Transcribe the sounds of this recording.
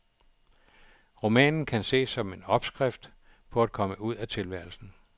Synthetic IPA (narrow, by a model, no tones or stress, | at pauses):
ʁo̝mɛ̰ːnn̩kʰænse̝̰ːsɒ̽me̝nɒ̽b̥sɡ̥ʁɛfd̥ | pʰɒ̽æd̥̚kʰɒ̽məuð̞̰ˠæt͡sʰe̝lʋæɐ̰l̩sn̩